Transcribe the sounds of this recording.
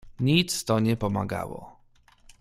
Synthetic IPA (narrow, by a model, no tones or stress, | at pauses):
ɲit̪st̪ɔɲɛpɔma̰ɡa̰wɔ̰